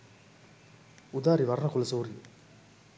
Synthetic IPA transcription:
ʊd̪aːɾiʋɐɾɐnɐkʊlɐsoːɾi

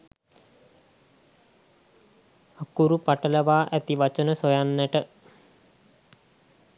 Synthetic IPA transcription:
akuɾupaʈəlɐʋaːʔet̪iʋɐt͡ʃənəsojanːeʈə

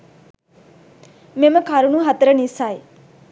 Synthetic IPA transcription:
meməkʰaɾuɳuɦɐt̪ɾənisaj

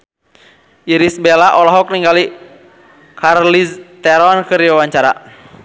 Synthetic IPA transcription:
ʔiɾisbɛlaʔɔlɔɦɔk̚niŋɡali | karlist̪ɛɾɔnkɨɾiwawaɲt͡ʃaɾa̰

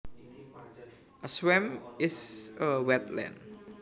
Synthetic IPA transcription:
ʔəswɛmɪsəwɛt̪lɛ̰̃n

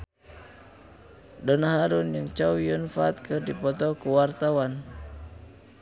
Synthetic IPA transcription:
dɔnaɦaɾunjɨŋt͡ʃawiunfat̪̚kɨrdipɔt̪ɔkuwart̪awan

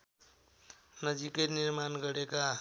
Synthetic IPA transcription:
nʌd͡zikʌniɾmanɡʌɾeka

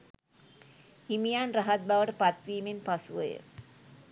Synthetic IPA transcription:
himijaːnrɐɦɐt̪̚baʋəʈəpat̪ɾiːmenpɐsuʋɐjə̰

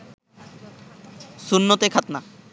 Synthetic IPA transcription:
sunːot̪ekʰat̪na

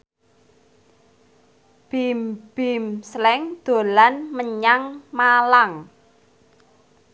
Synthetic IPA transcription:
b̥imb̥imslɛŋd̪̥o̤lanməɲaŋmalaŋ

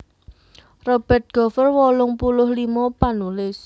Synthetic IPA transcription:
rɔb̥ɛ̤t̪̚ɡ̥ɔ̤fərwɔlʊŋpulʊhlimɔpanulɪs

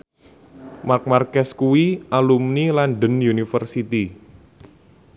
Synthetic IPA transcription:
mark̚markɛskuwiʔalumnilanɖənjunifərsit̪i

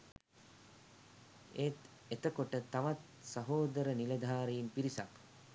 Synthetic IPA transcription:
et̪ | et̪əkoʈət̪aʋat̪ | səɦoːd̪əɾəniləd̪ʱaːɾejimpiɾisak

